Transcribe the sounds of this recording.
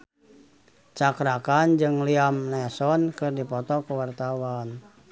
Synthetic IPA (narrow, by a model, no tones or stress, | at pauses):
t͡ʃakɾakand͡ʒɨŋliamlɛsɔnkɨrdipɔt̪ɔkəwart̪awan